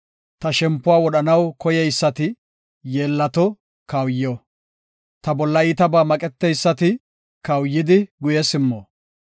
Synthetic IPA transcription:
t̪ɐʃɛmpːʊwaːwɔɗɐnɐwkɔjɛjsːɐt̪ɪ | jeːlːɐt̪ɔ | kɐwjːɔ | t̪ɐbɔlːɐiːt̪ɐbaːmɐkʼɛt̪ːɛjsːɐt̪ɪ | kɐwjːɪd̪ɪɡʊjɛsɪmːoː

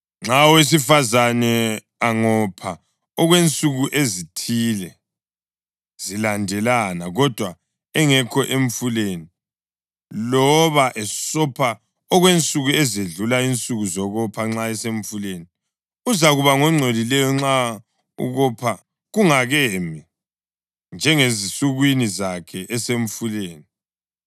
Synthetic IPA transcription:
ŋ͡ǁawes̬ifazanɛ | aŋɔpʰa | ɔɣwent͡sʼuɣuʔezitʰiːlɛ | z̥ilandʱɛlanaɣɔd̥ʱwa | ɛŋɛkʰɔʔeɱfuleni | lɔβaʔɛsɔpʰa | ɔɣwent͡sʼuɣuɛzeɮulaint͡sʼuɣuzɔɣɔpʰaŋ͡ǁaɛseɱfuleni | uzaɣuβaŋɔŋ͡ǀʱolilɛjɔŋ͡ǁa | ṵɣɔpʰa | ɣuŋaɣemi | nd͡ʒʱɛŋezisuɣwinizakʰɛʔɛseɱfuleːni

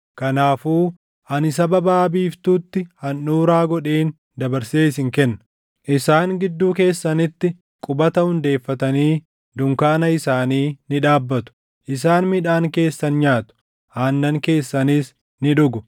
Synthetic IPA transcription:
kɐnaːfuː | ʔɐnɪs̬ɐbɐbaːbiːft̪uːt̪ːɪhɐnːuːɾaːɡɔᶑeːn | d̪ɐbɐɾseːs̬ɪŋkɛnːɐ | ʔɪsaːŋɡɪd̪ːuːke̞ːsːɐnɪt̪ːɪ | kʼʊbɐt̪ɐhʊnd̪e̞ːfːɐt̪ɐniː | d̪ʊŋkaːnɐɪsaːniːnɪᶑaːbːɐt̪ʊ̥ | ʔɪsaːnmɪᶑaːŋke̞ːsːɐnɲaːt̪ʊ̥ | haːnːɐŋke̞ːsːɐniːs | nɪᶑʊɡʊ

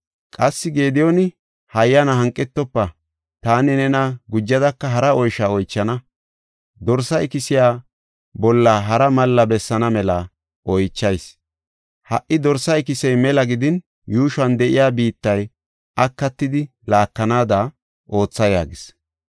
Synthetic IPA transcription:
kʼɐsːɪɡe̞ːd̪ɪjonɪ | hɐjːɐnɐɦɐŋkʼːɛt̪ːɔpːɐ | t̪aːnɪnɛnɐɡʊd͡ʒːɐd̪ɐkːɐɦɐɾɐɔjʃaɔjt͡ʃːɐnɐ | d̪ɔɾsɐɪkɪsɪjaː | bɔlːaːɦɐɾɐmɐlːɐbɛsːɐnɐmɛlɐ | ʔɔjt͡ʃːɐjs | hɐʔːɪd̪ɔɾsɐɪkɪsɛjmɛlɐɡɪd̪ɪn | juːʃɐnd̪ɛʔɪjaːbiːt̪ːɐj | ʔɐkːɐt̪ːɪd̪ɪ | laːkːɐnaːd̪a | ʔo̞ːt͡sːɐja̰ːɡɪs

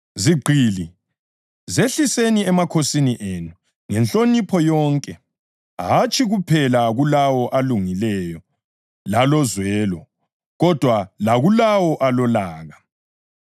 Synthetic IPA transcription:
ziɡ͡ǃʱiːli | zeɬiseniɛmakʰosiniʔenu | ŋɛnt͡ɬʼonipʰɔjɔŋkʼɛ | ɦat͡ʃʼʰiɣupʰɛlaɣulawɔʔaluŋilɛjɔ | lalɔzwɛːlɔ | ɣɔd̥ʱwalaɣulawɔʔalɔlaːɣa

